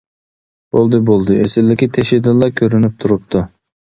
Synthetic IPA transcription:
b̥olˠd̪ɨbolˠd̪ɨʔesɪldːɪkʲit̪ʰeʃid̪ɪnlˠɑɾkʲʰøɾynyp̚t̪ʰuɾup̚t̪ʰu

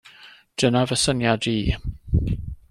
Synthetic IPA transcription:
d̥ənavəsənjadiː

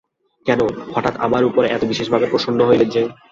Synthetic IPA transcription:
kɛnoɡʱɔʈat̪a̰baɾupoɾeɛt̪obiʃeʃbʱabeɾpɾoʃond̪ʱoɦojled͡ʑe

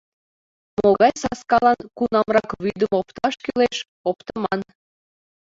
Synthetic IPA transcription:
moɣɑjsɑskɑlɑnkunɑmrɑkβyd̪əmopt̪ɑʃkyleʃ | opt̪əmɑn

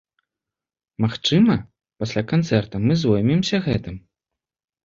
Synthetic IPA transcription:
maxt͡ʂɨmɐ | pasʲlʲakant̪sɛrt̪ɐmɨzvɔjmʲimsʲɐɣɛt̪ɨm

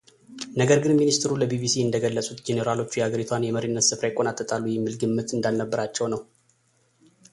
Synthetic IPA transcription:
nəɡəɾɡɨnminist̪ʰɨɾuləbibisiɨnd̪əɡəlːəsʼut̪d͡ʒeneɾalo̞t͡ʃːjɛaɡəɾit̪ʰwanjɛməɾinːət̪sɨfɾaɪkʼːonat̪ʼːət̪ʼalːujɪmːɨlɡɨmːɨt̪ɨnd̪alnəbːəɾat͡ʃːɛwnəw

